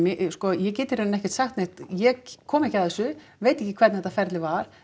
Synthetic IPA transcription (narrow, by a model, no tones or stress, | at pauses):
mɪʔskɔjɛc̬ɛːt̪ɪɾeːnɛhcɛ̥ɾ̥t̪saxt̪neht̪jɛkʰːɔːmɛhcaðɛsːʏ | veːjt̪ehcɪkʰvɛɾt̪nhɛt̪ːafɛɾt̪lɪvaɾ̥